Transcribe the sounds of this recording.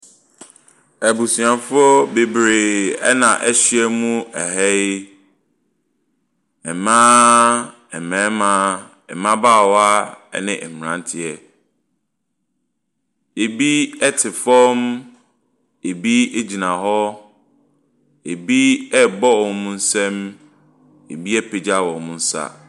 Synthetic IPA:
æ˨bu˨si˨ã˨fʊ˦ɔ˦be˨bɾe˨ɛ̰˦nã̰˨ʔɛ˦ɕi˦ɛ˦mũ˦ɛ˨hɛ˦ | ɛ˨mã˦ | ɛ˨mɛ̃˨˦mã˦ | ɛ̰˨mã˦baː˦˨wa˦ɛ̰˦nɪ̃˨ʔɛ˨m˨ɾã̰˨n˦tʰɪ˦ɛ˨ | e˨bi˦ɛ˦tʰɪ˨fɔ̃˦m | e˨bi˦e˦d͡ʑi˨nã˨ɦɔ˦ | e˨bi˦ɛ˦bɔ˦wɔ˨mũ˦n̩˦sɛ̃˦m | e˨bi˦ɛ˦pʰe˨d͡ʑa˦˨wɔ˨mũ˦n̩˦sa̰˦

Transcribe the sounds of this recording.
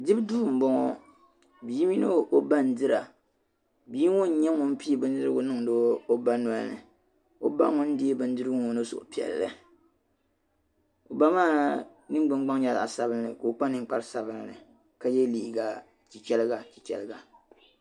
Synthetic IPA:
dɨ˦bduː˦˨m̩˨bɔ˦ŋɔ˦ | bi˨˦mi˦no˦ʔo˦ba˦n̩˦dɨ˦ɾa˨ | bi˨˦ŋʊ˦n̩˦ɲɛ˦ŋʊ˦n˦pi˦˨bɨ˦n˦dɨ˦ɾɨ˦ɡʊ˨nɨ˦˨ŋdoː˦o˦ba˦nɔ˦lnɨ̰˨ | o˦ba̰˦ŋʊ˦n̩˦di˦e˦bɨ˦n˦dɨ˦ɾɨ˦ŋo˨nɨ˦˨so̰˨ʔpi˨ɛ̰˨lːɨ̰˦ | o˨ba˦maː˦ | nɨ˦ɡ͡bɨ˦ŋ˦ɡ͡ba˦ŋ˦ɲa˨la̰˨a˨sa˨bɨ˦n˦nɨ̰˨ko˨k͡pa˦nɨ˨ŋ˦k͡pa˦ɾsa˨bɨ˦lnɨ̰˨ | ka˦jɛ˦liː˨ɡa˨ | t͡ʃi˨t͡ʃɛ˦lɨ˦ɡa˨t͡ʃi˨kʲɛ̰˨lɨ˦ɡa˨

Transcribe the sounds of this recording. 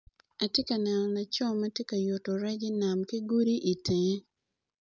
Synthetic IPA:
a˨tje˦ka˨nɛ˨nɔ˨na˨t͡ʃɔ˦˨mɛ˦tje˦ka˨jo˨to˨ɾɛ˦ɡɪ˦na˨mkɪ˦ɡu˦ɾi˦ʔi˨tʰe˨ɲe˦

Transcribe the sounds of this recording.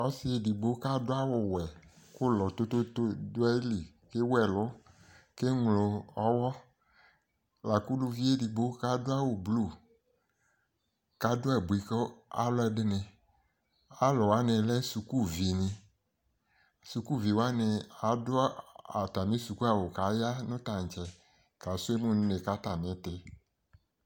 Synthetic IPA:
ɔ˦sɪ˦e˨di˨ɡ͡bo˦ka˦dʊ˦a˦wɔ˨wɛ˨kʊ˦lɔ˨t̪o˦t̪o˦to˦dʊ˦ɛ˦li˨ | ke˦wɛ˨lɔ˦ | ke˦ŋlo˨ɔ˦wɔ˦ | la˨ku˦lu˦vi˦e˦di˨ɡ͡bo˦ka˦dʊ˦a˦wo˨blu˦˨ | ka˦dʊ˦ɛ˨bu˨i˨kɔ˦a̰˦lʊ˦ɛ˨ɖɪ˦nɪ̃˨ | a˦lɔ˨wa˦nɪ̃˨lɛ˦su˨ku˦vi˨nɪ̃˨ | su˨ku˦vi˨wa˦nɪ˨a˨dʊ˦a˨t̪a˨mĩ˦su˨ku˦a˨wo˨ka˨˦ja˦nʊ̃˦t̪a˨ŋ˨t͡ʃɛ˨ | ka˨sʊ˦e˦mũ˦n˦ne˨ka˦t̪a˨mɪ̃˨˦t̪ɪ˦

